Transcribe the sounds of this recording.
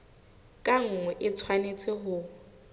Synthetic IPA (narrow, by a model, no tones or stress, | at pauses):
kʼaŋ̩ŋwɛʔɪt͡sʰwanet͡sʼɪɦʊ